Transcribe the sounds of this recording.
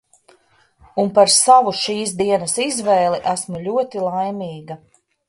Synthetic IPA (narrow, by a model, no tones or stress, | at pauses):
unpaɾsavuʃiːsd̪iɛnɐsizvɛːlˠiʔæsmulʲuɔt̪ilˠajmʲiːɡɐ